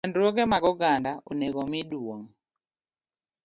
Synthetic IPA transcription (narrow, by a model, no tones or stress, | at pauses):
ɛndɾwoɡɛmaɡɔɡandaʔoneɡomɪdwoŋ